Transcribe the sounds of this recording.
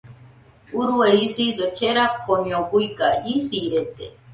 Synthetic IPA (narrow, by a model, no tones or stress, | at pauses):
uɾueisid̪ot͡ʃeɾakʰoɲõɡuikaisiɾet̪ḛ